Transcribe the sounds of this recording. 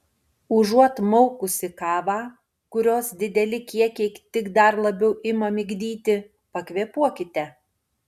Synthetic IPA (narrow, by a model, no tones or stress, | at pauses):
ʊʒuɔt̪mɔʊkʊsʲɪkɑːʋɑː | kʊɾʲoːsd̪ʲɪd̪ʲɛlʲɪkʲiɛkʲɛɪt̪ʲɪɡd̪ɐɾlˠɐbʲɛʊʔɪmɐmʲɪɡʲd̪ʲiːt̪ʲɪ | pɐkʲʋʲiɛpuɔkʲɪt̪ʲɛ